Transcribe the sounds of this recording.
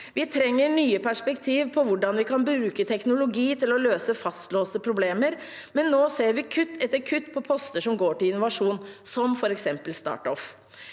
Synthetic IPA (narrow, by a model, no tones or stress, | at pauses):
ʋɪt̪ʰɾɛŋːəɳyːəpʰæʂpɛkt̪ʰiːʋpʰɔʋʊɖɑnʋɪkɑnbɾʉːkət̪ʰɛknʊlʊɡiːt̪ɪlɔløːsəfɑst̪loːst̪əpʰɾʊbleːməɾ | mɛnːoːseːɾʋɪkʰʉt̪ːɛt̪ːəɾkʰʉt̪ːpʰɔpʰɔst̪əʂɔmɡoːʈɪlɪnːʊʋɑʂuːnsɔmfɔɾɛksɛmpəlst̪ɑ̰ːʈɔf